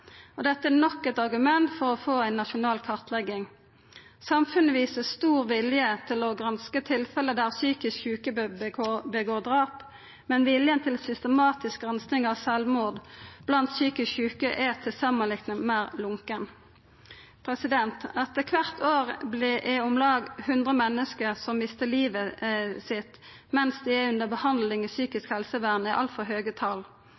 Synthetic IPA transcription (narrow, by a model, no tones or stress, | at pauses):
ɔd̪ɛt̪ːəænɔkːɛt̪ɑʁɡʉmɛnt̪fɔʁɔfoːæɪnːɑʃʊnɑːlkʰɑʁt̪ʰlɛɡːɪŋ | sɑmfʉnːəʋiːsəst̪uːʁʋɪljət̪ʰɪlɔɡʁɑnskət̪ʰɪlfɛləd̪æʁsyːkɪskçʉːkəobəɡoːʁd̪ʁɑːp | mɛnʋɪljənt̪ʰɪlsʏst̪əmɑːt̪ɪsk̚ɡʁɛnsnɪŋɑʋsɛlʋmuːʁd̪b̥lɑnt̪syːkɪskçʉːkəʔɛt̪ʰɪlsɑmənlɪk̪nəmæːʁlʊŋkən | pʰʁɛsɪd̪ɛnt̪ɑt̪ːəkʰʋæʁt̪ʰoːʁblɪʔɛɔmlɑːɡhʉnd̪ʁəmɛnːəskəʁsɔmmɪst̪əliːʋəsɪt̪ | mɛnsd̪ɛæʉnd̪əbəhɑnd̪lɪŋisyːkɪskhɛlsəʋæʁnəɪʔɑ̰lt̪fɔlɦøːɡət̪ʰɑl